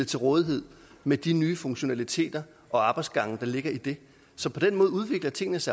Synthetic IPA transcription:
t͡sʰe̝lʁɔ̽ːðˠiɦe̝ð̰ˠ | med̥inyːfɔ̽ŋɕo̝nælit͡sʰe̝̰ːd̥ɐ | ʔɒ̽ɑ̈ːb̥ɑ̈ɪ̥sɡ̥ɑ̈ŋ̰əd̥ɑ̈le̝ɡ̥ɐid̥e̝ | sɒ̽pʰɒ̽d̥enmɔ̽ːð̞̩ˠuð̞ˠʋe̝ɡ̥lɐt͡sʰe̝ŋ̰nəsɑ

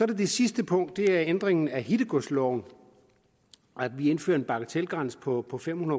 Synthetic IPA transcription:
sɒ̽ɾ̥ed̥e̝sisd̥əpʰɔ̽ŋ̰d̥ːe̝æɐend̥ʁeŋn̩æɦid̥əɡ̥oslɒʊ̰n̩ | æ̥ʋie̝nfø̰ːɐe̝nb̥ɑ̈ɡ̥ət͡sʰel̰ɡ̥ʁɑn̰sə̥pʰɒ̽pʰɒ̽fem̰hunɐ

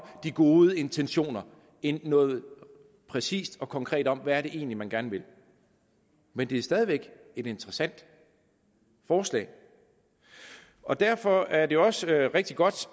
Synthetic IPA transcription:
d̥iɡ̥o̝ːðˠəe̝nt͡sʰenɕo̝̰ːnɐ | enːɔ̽ːð̞̩ˠ | pʰʁɛsḭːsd̥ɒ̽kʰɒ̽ŋkʰʁɛ̰ːd̥ɒ̽m̰ʋæːɐɾe̝ʔe̝̰ːnlimænɡ̥æɐnʋe̝l | mend̥e̝æɐsd̥ɛːð̞ˠiʋeɡ̥e̝d̥e̝nt͡səʁɐsæn̰d̥ | fɒːslɛ̰ːɪ | ʔɒ̽d̥æɐ̰fɒ̽æɐd̥e̝oɒ̽sʁeɡ̥̚d̥iɡ̥ɒ̽d̥

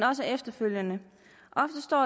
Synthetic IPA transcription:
nɒ̽s̬əefd̥ɐføljənə | ʔɒ̽fd̥əsd̥ɒ̰ː

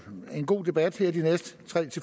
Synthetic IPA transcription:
e̝nɡ̥o̝̰ːd̥e̝b̥æd̥hɛɐ̰d̥inesd̥t͡sʰʁɛ̰ːt͡sʰe̝

